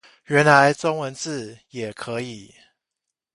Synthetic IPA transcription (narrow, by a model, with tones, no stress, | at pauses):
ɥɛ˨˦nla˨˦ɪt͡sɔ˦ŋwə˧˦nt͡sɹ̩˥˨jɛ˨˩kʰɤ˨˦i˨˩˦